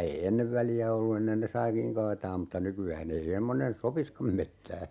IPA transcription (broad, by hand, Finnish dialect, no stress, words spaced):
ei enːeʋ ʋæliæ olːu enːen ne sɑikiŋ kɑːtɑːm mutːɑ nykyæːn ei emːonen sopiskɑm metːæː